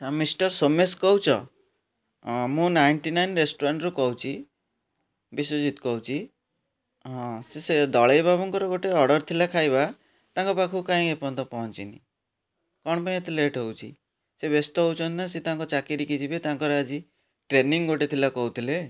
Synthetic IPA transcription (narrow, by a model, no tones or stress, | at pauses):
misʈɔɾsomeskɔɦwt͡ʃʰɔ | mũnajnʈinajnɾesʈuɾaɳʈɾukɔut͡ʃʰi | bisod͡ʒit̪ɔ̥kɔwt͡ʃʰi | ɦɔ̃sesed̪ɔɭejbʱabɔŋkɔɾɔɡoʈeɔɾɽɔɾt̪ʰilakʰajβa | t̪aŋkɔpakʰukaĩepɔnt̪ɔpɔɦɔnt͡ʃḭni | kɔɽ̃ɔpaĩet̪ʰileʈɦowt͡ʃʰi | sebjɔst̪ɔɦowt͡ʃʰɔnnaset̪aŋkɔt͡ʃakiɾikit͡ʃʰibet̪aŋkɔɾɔad͡ʒi | ʈɾeniŋɡoʈet̪ʰilakɔwt̪ʰile